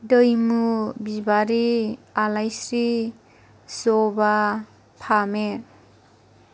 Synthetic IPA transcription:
dəjmubibaɾialajsɾi | sɔba | pʰameɾ

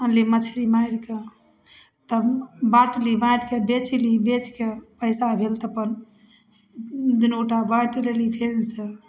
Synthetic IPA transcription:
əlimət͡ʃʰɾimaiɾke | t̪əbbaʈlibajɽkebet͡ʃʰlibet͡ʃkepəɪsabʱelt̪əpən | d̪inoʈabaʈɾelipʰense

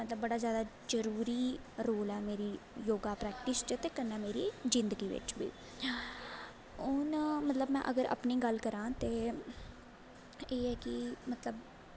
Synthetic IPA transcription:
mət̪ləbːəɽaːzjaːd̪aː | d͡ʒəɾuːɾiːɾoːlɛːmeːɾiːjoːɡaːpɾɛːk̚ʈɪst͡ʃət̪eːkənːɛːmeːɾiːzɪ̃nd̪əɡiːʋɪ̰t͡ʃʋḭː | ʊnmət̪ləbmɛ̰̃ːʔə̰ɡəɾə̰pniːɡəlkəɾãːt̪eː | eːɛːkɪmət̪ləb

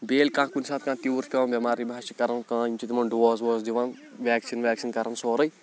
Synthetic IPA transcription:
beːlkãːkunsaːt̪̚kãːt̪iʋuɾt͡ʃpʲeʋɐːnbɐmaːɾibʱaːʃikɐɾɐnkãːint͡ʃit̪imɐnɖʋɔːzʋɔːzd̪iʋãn | ʋʲɛːksinʋʲɛːksinkɐɾɐnsoːɾɐj

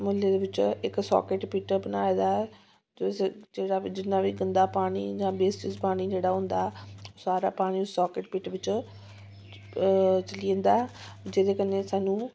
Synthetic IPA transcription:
mʊlːeːd̪eːʋɪt͡ʃɪksɔ̰ːkɪʈpɪʈbənaːeːd̪aːɛ | t̪ːsd͡ʒeːɽaːd͡ʒɪnːaːʋiːɡənd̪aːpaːɽ̃ḭːd͡ʒãːbeːsʈɪspaːɽ̃iːd͡ʒeːɽaːɦʊ̃nd̪aːɛoːsaːɾa̰ːpaːɽ̃iːʊsːɔːkɪʈpiʈʋɪt͡ʃ | t͡ʃəliə̃nd̪aːɛ | d͡ʒeːd̪eːkəneːsaːnũː

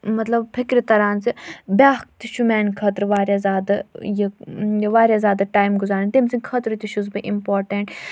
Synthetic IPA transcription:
mɐt̪lɐbpʰikɾit̪ɐɾaːnt͡sibʲaːk̚t̪iʃumɛːnkʰɐt̪ɾʋaːɾjazʲaːd̪ɨjiʋaːɾʲjaːzʲaːd̪ɐʈaːjmɡuzaːnt̪imsinʲkʰɐt̪ɾɨt̪iʃuzbɨʔimpoːɾʈeɳʈ

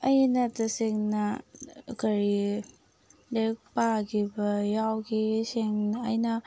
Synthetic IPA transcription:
ɐjnɐtɐseŋnɐ | kɐɾi | lek̚paɡibɐjawɡiseŋnːjnɐ

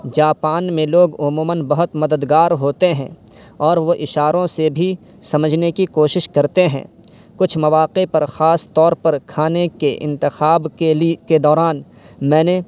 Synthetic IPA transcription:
d͡ʒaːpaːnmẽloːɡʊmuːmənbɐɦʊt̪mɐd̪əd̪ɡaːɾɦoːt̪eɦɛ̰̃ | ɔːɾʋoʔɪʃaːɾõsebʱi | sɐməd͡ʒʱnekikoːʃɪʃkɐɾt̪eɦɛ̰̃ː | kʊt͡ʃʰmɐʋaːqepɐɾxaːst̪ɔːɾpɐɾkʰaːnekeʔɪ̰̃nt̪ɪxaːbkeliked̪ɔːɾaːn | mɛ̃ːne

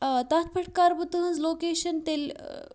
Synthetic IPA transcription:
t̪at̪̚ʰpʰəʈ̚kaɾbət̪əɦə̃nd͡zlokeːʃənt̪el

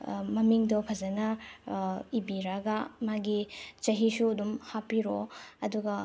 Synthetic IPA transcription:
mɐmiŋdɔpʰɐzɐnɐ | ibiɾaɡamaɡit͡ʃɐɦisuɐdumhapiɾoɐduɡɐ

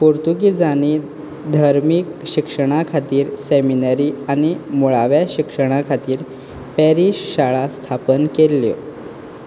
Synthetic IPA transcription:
poɾt̪uɡid͡zani | d̪ʱaɾmikɕikʂəɽ̃akʰat̪iːɾseminaɾiːañimuɭaʋjaɕikʂəɽ̃akʰat̪iːɾ | pɛɾiɕɕaɭast̪ʰapənkelːjo̰

